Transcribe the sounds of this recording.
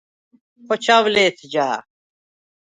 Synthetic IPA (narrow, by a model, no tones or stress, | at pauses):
pot͡ɕʰawleːt̪ʰd͡ʑaː